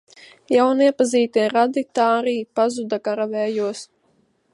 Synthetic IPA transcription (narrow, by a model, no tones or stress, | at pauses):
jawniɛpaziːt̪iɛɾad̪it̪aːɾiːpazud̪akaɾavɛːjuɔs